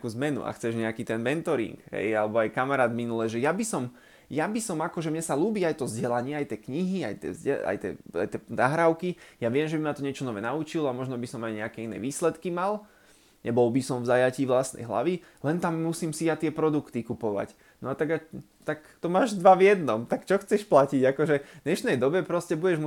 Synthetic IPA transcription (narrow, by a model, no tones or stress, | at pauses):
kuːzmɛnṵʔa̰xt͡sɛʒɲɛakiːt̪ɛnmɛnt̪ɔɾḭŋɡɦɛ̰jalɛbɔajkamaɾaːd̪minulɛʒɛjabisɔm | jabisɔmakɔʒɛmɲɛsaluːbiːajt̪ɔzɟɛlaɲɪɛajt̪ɛkɲiɦia̰jt̪ɛ̰zɟɛa̰jt̪ɛ̰a̰jt̪ɛnaɦɾaʊkijaʋɪɛmʒɛbimat̪ɔɲɪɛt͡ʃɔnɔʋɛnaut͡ʃilɔamɔʒnɔbisɔmajɲɛakɛinɛ̰ːʋiːslɛt̪kimal | ɲɛbɔlbisɔmvzajaciːʋlasnɛ̰jɦla̰ʋi | lɛnt̪amːusiːmsijat̪ɪɛpɾɔd̪ukt̪ikupɔʋa̰c | nɔat̪aɡa | t̪akt̪ɔmaːʒd̪ʋaʋjɛd̪nɔmt̪akt͡ʃɔxt͡sɛʃplaciɟakɔʒɛd̪ɲɛʃnɛjd̪ɔbɛpɾɔscɛbuɟɛʒmu